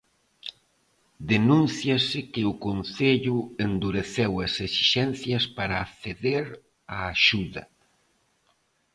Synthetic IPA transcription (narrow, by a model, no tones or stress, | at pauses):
d̪enũnθjɐsɪkɪʊkonθeʎuend̪uɾeθewɐsesi̥ʃɛnθjɐspaɾaːθeðeɾ | aːʃuðɐ̰